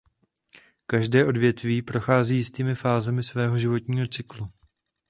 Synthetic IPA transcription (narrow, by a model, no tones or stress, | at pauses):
kaʒdɛːʔo̞dvjɛt̪viːpɾo̞xaːziːjɪst̪iːmɪfaːzɛmɪsvɛːɦo̞ʒɪvo̞t̪ɲiːɦo̞t͡sɪklu